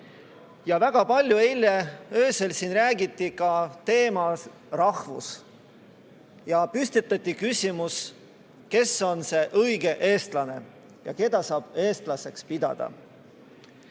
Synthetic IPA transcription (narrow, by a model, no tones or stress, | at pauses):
jɑvæɡ̥ɑpɑlʲjuelʲːeøːse̞lsinræːɡit̪ːˑikɑt̪e̞ːmɑ | rɑhvṵs | jɑpyst̪it̪ːˑɑt̪ʲːˑikysʲimus | ke̞so̞nse̞ʔɤjɡe̞ʔe̞ːst̪lɑne̞ | jɑ̰ke̞d̪ɑsɑːb̥e̞ːst̪lɑse̞kspid̪̥ɑ̰d̪̥ɑ̰